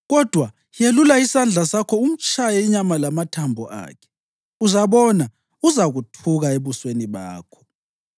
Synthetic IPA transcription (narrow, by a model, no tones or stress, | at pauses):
ɣɔd̥ʱwa | jelulaisand͡ɮʱasakʰɔum̩t͡ʃʰʼajɛiɲamalamatʰambʱɔ̰ʔa̰ːkʰɛ̥ | uzaβɔna | uzaɣutʰuɣaeβusweniβa̰ːkʰɔ̥